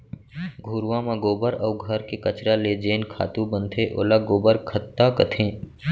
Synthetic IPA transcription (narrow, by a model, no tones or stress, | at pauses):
ɡʱuːɾʋãmãɡoːbəɾɐːɡʱəɾkekət͡ʃɾaled͡ʒeːnkʰa̰ːt̪ubə̃nt̪ʰeʔo̰ːlaɡoːbəɾkʰət̪ːakət̪ʰẽː